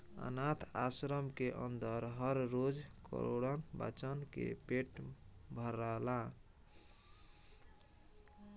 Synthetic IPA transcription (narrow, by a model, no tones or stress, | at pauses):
ə̰nat̪ʰasɾəmkeʔənd̪əɾɦʌɾːod͡ʒkə̰ɾoɽənba̰t͡ʃənkḛpeʈbʱəɾala